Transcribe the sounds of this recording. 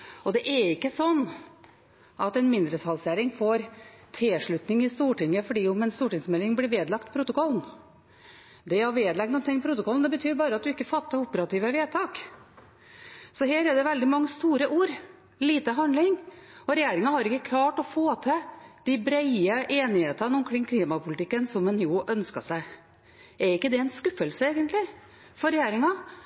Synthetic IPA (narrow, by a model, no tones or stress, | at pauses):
ɔd̪ɛʔɛɾɪkːəsɔnː | ʔɑt̪ɛnmɪnd̪ɾət̪ʰɑlsjæːɾɪŋfoːɾ | t̪ʰɛʂɭʉt̪nɪŋɪst̪uːʈɪŋːəfɔɖiːʊmɛnst̪uːʈɪŋsmɛlːɪŋblɪʋeːd̪lɑkt̪pʰɾʊt̪ʊkʰɔlːn | d̪ɛhɑɾʋeːd̪lɛɡ̚nuːnɪŋːpʰɾʊt̪ʊkɔlnd̪ɛbət̪ʰyːɾbɑːɾəɑt̪̚d̪ʉɪkːəfɑt̪ːəɾʊpːəɾɑt̪iːʋəʋeːt̪ʰɑːk | sɔɦeːɾɛɖ̪ɛʋɛld̪ɪmɑŋːəst̪uːɾəʔuːɾ | liːt̪əɦɑnd̪lɪŋɔɾɛjeːɾɪŋɑhɑɾɪkːəkʰlɑːʈɔfoːt̪ʰɛd̪̥abɾæɪəʔeːnɪheːt̪ənəʊmkʰɾɪŋːkʰliːmɑpʰʊlɪt̪ɪkːənsɔmːɛnjuʔœnskɑ̰sæɪ | ɛɾɪkːəd̪ɛɛnskʉfːəlsəeːɡənt̪lɪ | fɔɾɛjeːɾɪŋɑ